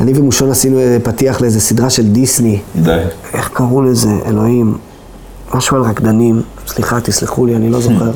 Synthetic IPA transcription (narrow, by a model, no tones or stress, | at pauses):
anivemuʃo̞nasinuezepatiaχleeze̞sidʁaʃe̞ld̪isni | e̞χkaʁuleze̞ʔḛlo̞him | maʃualʁakd̪anim | sliχat̪isliχulianilo̞zo̞χe̞ʁ